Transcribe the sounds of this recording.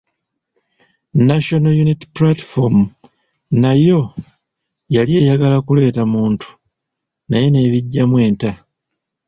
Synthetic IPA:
naʃo̞nojuniti̥platfomu | najo̞ | jalje̞ːjaɡalakule̞ːtamuːntu̥ | naje̞ne̞βiɟːamwe̞ːnta

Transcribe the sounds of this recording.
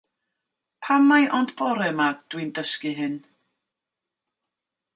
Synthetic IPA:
pʰamajʔɔndbɔɾɛmad̥windəskɨɦɪn

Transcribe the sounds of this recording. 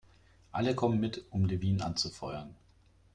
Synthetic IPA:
ʔaləkʰɔmənmɪtʊmdeːviːnənʔa̰nt͡sufɔ̰ʏɐn

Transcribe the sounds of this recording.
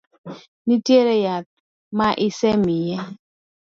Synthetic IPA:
nitjeɾɛjat̪̚ | maʔisɛmijɛ

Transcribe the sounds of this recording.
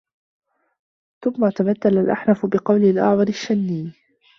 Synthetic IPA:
θʊmːat̪abat̪ːalalʔa̰ħnafbɪqɑwlɪlʔa̰ʕwɑd̪ɪʃːanːiː

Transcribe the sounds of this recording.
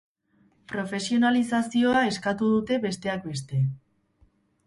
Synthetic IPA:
pɾo̞fe̞sio̞nalisasio̞ae̞skat̪uðut̪e̞βe̞st̪e̞ak̚be̞st̪e̞

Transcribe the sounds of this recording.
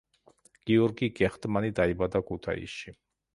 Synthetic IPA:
ɡ̥iɔɾɡiɡɛχt̪ʼmanid̪aibad̪akʰut̪ʰa̰ḭʃi

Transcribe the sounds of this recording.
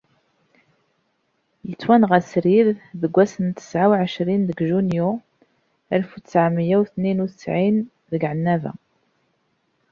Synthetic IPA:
jət͡sːwænʁæsɾiððəɡʷːæsənt̪ə̥sʕawʕəʃɾinðəɡʒunju | ælfut̪ə̥sʕməjæwθənːinuθəsʕin | ðəɡʕənːævæ̰

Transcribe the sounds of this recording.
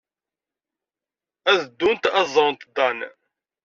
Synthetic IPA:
æðd̪ːunt̪æzˤəɾnt̪d̪ɑn

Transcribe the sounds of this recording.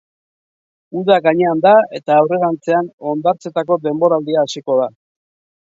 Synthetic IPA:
uðaɡaɲe̞and̪ae̞t̪aːwre̞ɣant͡se̞ano̞nd̪aɾt͡se̞t̪ako̞d̪e̞mbo̞ɾald̪iaːsiko̞ð̞a

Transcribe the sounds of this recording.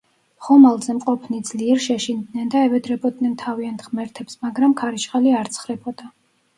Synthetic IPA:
χɔmalˠzɛmqʼɔpʰnid̪z̥liɛɾʃɛʃind̪nɛnd̪aɛvɛd̪ɾɛbɔd̪nɛnt̪ʰaviant̪ʰχʁmɛɾt̪ʰɛpsmaɡɾamkʰaɾiʃχʼaliaɾt̪sʰχɾɛbɔd̪̥a

